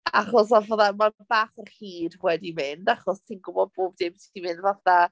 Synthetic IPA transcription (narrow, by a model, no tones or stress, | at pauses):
aχɔs̬ɔvoːðamaabaːχərhiːdwɛdimɪndaχɔstʰinɡʊbɔd̚boːb̚dɪmtʰi̥d̥imɪnvaθða